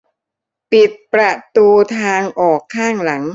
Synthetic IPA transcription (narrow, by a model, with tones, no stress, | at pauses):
pi˨˩t̪̚pɾa˨˧t̪uː˧t̪ʰaː˧ŋʔɔː˨˩kʰːaː˥˩ŋla˩˦ŋ